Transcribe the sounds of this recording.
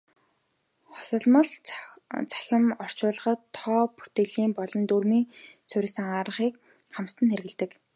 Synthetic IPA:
χɔ̥sɞ̆ɮmə̆ɮ | t͡sʰḁxʲɪ̆mɔr̥t͡ɕʊːɮə̆χə̆t̪ʰːɔːpu̥t̪ĕɮiːmpɔɮɞ̆nt̪urmiːŋt͡sʰʊɾʲɪ̆sə̆ŋaɾə̆χiːk | χamt̪ə̆nxeɾɣɘ̆ɮt̪ɘ̆k

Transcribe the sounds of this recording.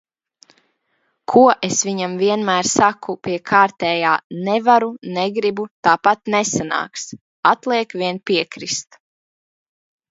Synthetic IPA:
kʰuɔʔesʋiɲamviɛnmæːɾsakupʲiɛkʰaːɾt̪ɛːjaːnɛvaɾunɛɡɾibut̪aːpat̪̚nesana̰ːks | at̪lˠiɛkviɛnpʲiɛkɾist̪

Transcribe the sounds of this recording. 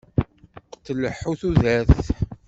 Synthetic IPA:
qə̥t̪ːləħːuθuðæθ

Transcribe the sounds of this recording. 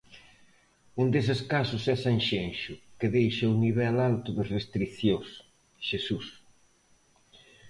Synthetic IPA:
und̪esɪskasʊsɛsaŋʃenʃʊkɪðejʃɐuniβɛlalt̪ʊðɐsrest̪ɾiθjos | ʃesus

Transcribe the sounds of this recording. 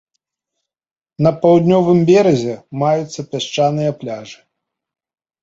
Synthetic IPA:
nɐpawd̪ʲnʲɔvɨmbʲɛɾɐzʲɛmajut̪sːɐpʲaʂt͡ʂanɨjɐplʲaʐɨ̥

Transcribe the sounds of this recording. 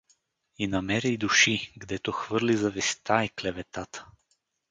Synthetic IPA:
inamɛɾid̪uʃiɡd̪ɛt̪oxvɤɾlizɐvɛst̪aiklɛvɛt̪at̪ə̥

